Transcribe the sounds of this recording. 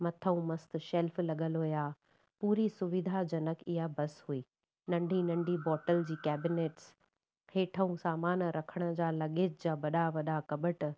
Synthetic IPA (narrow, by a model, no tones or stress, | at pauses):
mɐt̪ʰəũmɐst̪̆ʃɛlflɐɠəlɦoːjaː | puːɾisʊʋɪd̪ʱad͡ʑɐnəkʰɪɦabɐsɦuiː | nɐ̃ɳɖʱinɐ̃ɳɖʱibɔːʈəld͡ʑiːkɛːbɪneːʈs | heːʈʰəũsaːmaːnɾʔɐkʰəɽ̃ə̆d͡ʑaːlɐɠɪːd͡ʑd͡ʑaːʋɐɗaʋɐɗakɐɓəʈ